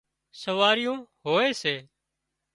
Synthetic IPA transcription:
səʋaːɾɪjõːɦoːeːseː

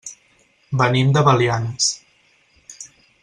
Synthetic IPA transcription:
bənimd̪əβəlians

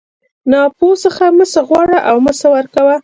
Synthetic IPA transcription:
nɑposəxaməsaɣwɑɽaʔawməsawaɾkawa

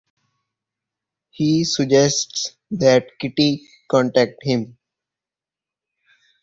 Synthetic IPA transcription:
hiːsəd͡ʒɛsʈs | d̪ɛʈkɪʈi | kɔ̃ɳʈɛk̚ʈhɪ̃m

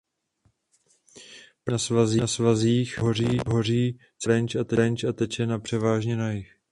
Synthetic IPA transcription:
pnasvazinasvaziːxɦoriːɦo̞riː | sɾɛnt͡ʃat̪ɛɛnt͡ʃat̪ɛt͡ʃɛnapr̥ɛvaːʒɲɛnajɪx

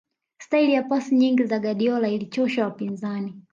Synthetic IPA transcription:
stailijapasiɲiŋɡizaɠaɗiɔlailit͡ʃɔʃawapinzani

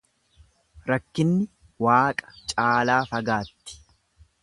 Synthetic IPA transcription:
ɾɐkːɪnːɪ | waːkʼɐ̥t͡ʃʼaːlaːfɐɡaːt̪ːɪ̥

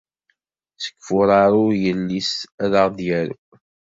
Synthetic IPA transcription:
sə̥kːfʊɾˤɑɾˤʊjəlːisæðəʁd̪jæɾṵ

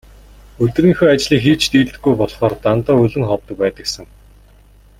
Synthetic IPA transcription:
ɵt̪riːŋxoːat͡ɕɮiːkxiːt͡ɕʰt̪iːɮt̪ɘ̥̆ɡujpɔɮχɔːrt̪ant̪ɔːɵɮɘ̆ŋχɔwt̪ə̆k̚pæːt̪ə̆ksə̆ŋ

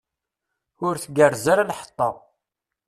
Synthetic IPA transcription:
ʊɾθɡərzaɾalħə̥t̪ˤːɑ̰

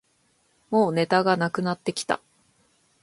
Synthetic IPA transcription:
mo̞ːne̞t̪aɡanakɯ̟nat̪ːe̞kʲi̥t̪a̰

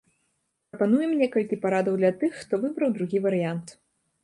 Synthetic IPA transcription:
pɾɐpan̪ujɛmnʲɛkɐlʲkʲipaɾad̪ɐwd̪lʲɐat̪ɨxːt̪ɔvɨbɾɐwd̪ɾuɣʲivɐɾɨjant̪

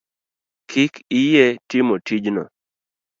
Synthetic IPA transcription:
kʰɪkɪjɛtɪmotid͡ʒnɔ̰

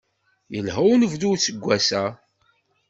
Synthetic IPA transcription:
jəlɦəwnəvðuwsəɡʷːæsæ

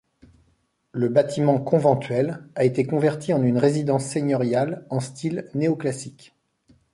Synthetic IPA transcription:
ləbat̪imɑ̃kɔ̃vɑ̃t̪ɥɛlaet̪ekɔ̃vɛʁt̪ʰiɑ̃nynʁezid̪ɑ̃sːeɲɔʁjalɑ̃st̪ilneoklasik

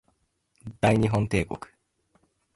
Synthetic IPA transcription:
d̪̥ajnʲiɦõnt̪eːko̰kɯ̥

